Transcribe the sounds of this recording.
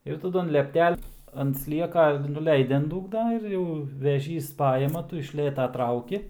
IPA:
ɪr tɐˈdʊ ɐn lʲɛpʲˈtʲɛlʲ ɐnt ˈsʲlʲiɛkɐ nʊˈlʲɛɪdʲɪ ɐn ˈduːɡnɐ ɪr ˈjɛʊ ʋʲɛˈʒʲiːs ˈpɑːjɪmɐ ˈtʊ ɪʃ ˈlʲeːtɐ ˈtrɐʊkʲɪ

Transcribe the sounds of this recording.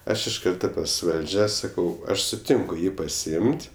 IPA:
ˈɐʃ ɪʃ ˈkɐrtoː pɐs ˈʋɐlʲd͡ʒʲɛ ˈsɑːkɐʊ ˈɐʃ sʊˈtʲɪŋkʊ ˈjiː pɐsʲɪˈɪmʲtʲ

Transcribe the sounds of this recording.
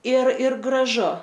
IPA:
ɪr ɪr ɡrɐˈʒʊ

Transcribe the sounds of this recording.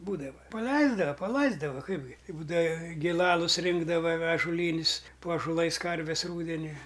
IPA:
ˈbuːdɐʋɐ ˈpɑːlʲɛɪzdɐʋɐ pɐˈlˠɐɪzdɐʋɐ ˈkɐɪbʲɡʲɪ ɪ ˈbuːdɐʋɐ ɡʲɪˈlˠɑːlˠʊs ˈrʲɪŋɡdɐʋɐ ɐʒoːˈlʲiːnʲɪs poː ɐʒoːˈlˠɐɪs ˈkɐrʲʋʲɛs ˈruːdʲɛnʲʊɪ

